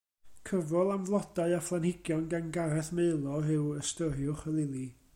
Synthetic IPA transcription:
kʰəvɔlˠamvlˠɔdaɨaflˠanhɪɡjɔnɡanɡaɾɛθmeɨlˠɔɦɪwəstəɾjʊχəlˠɪlˠi

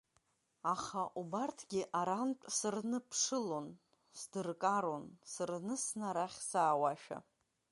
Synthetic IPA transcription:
aχaʔubartʰɡʲɪʔaɾantʼsɨrnɨpʰʂɨlo̞n | sdɨrkʼaɾo̞nsɨrnɨsnaɾaχʲsaːwaʃᶣa̰

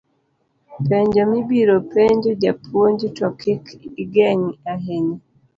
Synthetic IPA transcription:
pɛɲd͡ʒɔmibiɾɔpɛɲd͡ʒɔd͡ʒapʰuoɲd͡ʒitɔkikiɡɛɲiaɦɛni

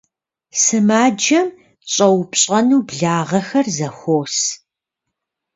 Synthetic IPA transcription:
sɨmaːd͡ʒɐm | ɕʼɐwpɕʼɐnuːbɮaːʁɐxɐrzɐxʷoːs

